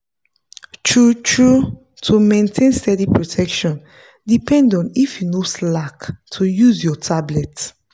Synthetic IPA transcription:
tʰɹut͡ʃʰɹu | tʰumẽntʰẽnstɛdipɹotʰɛkʃɔ̃n | dipʰɛ̃ndɔ̃nifjinoslaktʰujuzjɔtʰablɛt

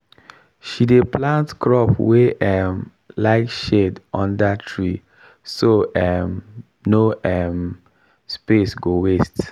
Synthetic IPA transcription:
ʃideplãntkɹɔpweɛm | laɪtʃedɔ̃ndatʰɹi | soɛm | noɛm | spesɡowest

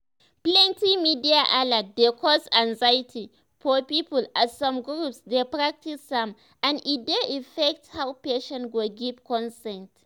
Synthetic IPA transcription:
plɛntimidiaʔaladekʰɔsanzajɪtʰi | pɔpiːpʊlʔasɔmɡɾupsdepɾak̚tisdam | ʔãnʔɪtdeʔɪfɛk̚thawpeʃɛ̃nɡɔɡivkɔnstɛ̃nt

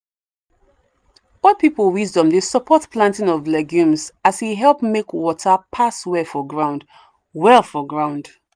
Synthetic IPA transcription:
ɔpipəl̩ˠwizdɔ̃mðəsəpʰɔtplãntĩŋɔvlɛɡjũmzasiɦɛlˠpmekwɔtʰəpʰaswɛfɔɡɹãʊ̃nd̥ | wɛlˠfɔɡɹãʊ̃nd̥

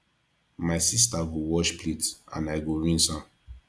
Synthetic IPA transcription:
maɪsistaɡowɔʃpletã̰naɪɡoɹĩnsã

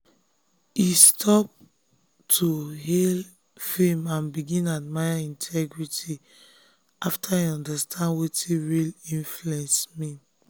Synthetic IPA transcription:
istʰɔp̚ | tʰuhel | femãnbiɡĩnadmaɪaĩntʰɛɡɹiti | ʔaftʰaiɔ̃ndastʰãndwetʰiɹilĩnfluɛ̃nsmi

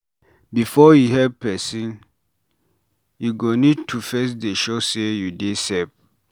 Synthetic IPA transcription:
bifɔjiɦɛpɛsĩn | juɡonitʰufɛs̬deʃosejudesɛp̚

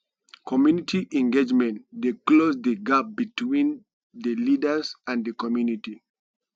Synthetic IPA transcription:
kʰɔmjunitʰiʔɛ̃ŋɡed͡ʒmɛ̃ntdeklozðəɡap̚bitʰwĩn | ðəlidə˞sãnðəkɔmjuniti

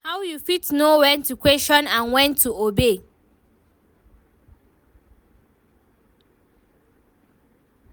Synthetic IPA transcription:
hawjufitnowɛ̃ntukweʃɔ̃nãnwɛ̃ntʰuobe

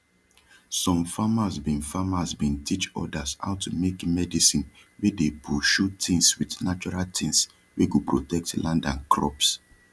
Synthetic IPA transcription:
sɔ̃mfamasbĩnfamasbĩntʰit͡ʃɔ̰dasha̰ʊtumekmɛdisĩn | wedepuʃutĩŋswidnat͡ʃɔɹaltʰĩŋs | weɡupɹotɛk̚tlʔãndãnkʰɹɔ̰ps

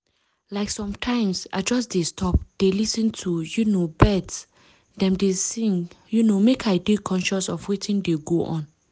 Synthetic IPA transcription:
laɪksɔ̃mtʰãɪ̃msa̰ɪd͡ʒɔsdestʰɔp̚d̥elisə̃ntʰujunobɛds | dɛ̃mdesĩŋ | junomekʰaɪbikʰɔ̃nʃɔsɔfwitĩndeɡoʔɔ̰̃n

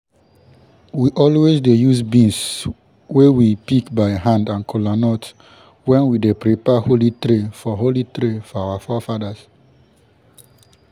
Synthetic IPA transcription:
wiʔɔlwesdejusbĩns | wewipikbaɪɦãndãnkʰɔlanɔt | wɛ̃nwidepɾipɛholitɾefɔɦolitɾefɔawafɔfadas

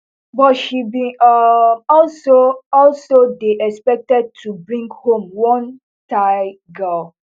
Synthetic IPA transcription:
bɔtʃibĩʔɔɔlsoɔlsodeʔɛkspɛk̚tɛd̚tʰubɹĩŋɡhõmwɔ̃n | taɪ | ɡɜl

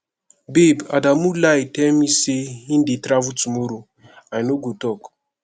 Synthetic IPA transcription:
biba̰damulajtɛlmiseĩndetɾavutumoɾo | ajnoɡotɔk

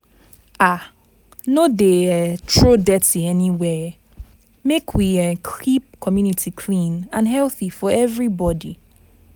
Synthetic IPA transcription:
a | nodeɛtʰɹodɛtiɛniwɛ | mekʰwiɛkʰip̚kʰɔmjunitʰikʰlĩnãnɦɛlˠθifɔɛvɹibɔdi

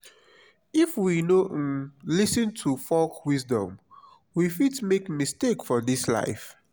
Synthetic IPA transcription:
ifwinoʔlisə̃ntʰufɔlkwisdɔ̰̃m | wifidmekmistekfɔdisla̰ɪf

